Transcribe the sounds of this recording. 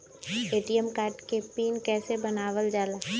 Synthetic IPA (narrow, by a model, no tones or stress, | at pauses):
eːʈijəmkaːɾʈkepiːnkɛːsebɐnaːʋəld͡ʒaːla